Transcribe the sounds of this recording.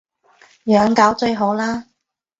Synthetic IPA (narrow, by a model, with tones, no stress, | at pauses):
jœː˨˧ŋkaː˨˥wt͡ʃɵ˧ɥɦo˨˥wlaː˥